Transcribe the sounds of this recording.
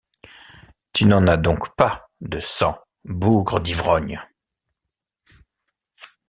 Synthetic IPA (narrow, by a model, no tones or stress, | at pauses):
t̪ynɑ̃nad̪ɔ̃kpa | d̪əsɑ̃ | buɡʁəd̪ivʁɔɲ